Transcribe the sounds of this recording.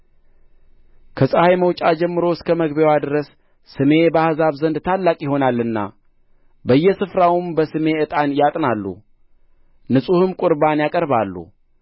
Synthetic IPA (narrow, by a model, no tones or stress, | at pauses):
kʰəsʼəhajməwt͡ʃʼad͡ʒɛmːɨɾo̞skʰəməɡbewad̪ɨɾəs | sɨme̞bəhzaβzənd̪t̪ʰalːakʼjɪɦo̞nalːɨnːa̰ | bəjːɛsɨfɾawmbəsɨme̞ɨt̪ʼanjat̪ʼnalːṵ | nɨsʼuhɨmkʼʊɾβanjakʼəɾβalːṵ